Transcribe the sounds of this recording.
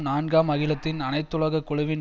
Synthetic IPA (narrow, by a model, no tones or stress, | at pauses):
naːnɡaːmɐɣɪlɐt̪ːɪnɐnɐɪt̪ːʊɭɐɣɐkːʊɻʊʋɪn